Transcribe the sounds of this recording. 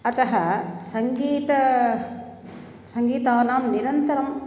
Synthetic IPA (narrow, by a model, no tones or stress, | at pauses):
ɐt̪ɐɦɐsɐŋɡiːt̪ɐ | sɐŋɡiːt̪aːnaːmniɾɐnt̪ɐɾɐm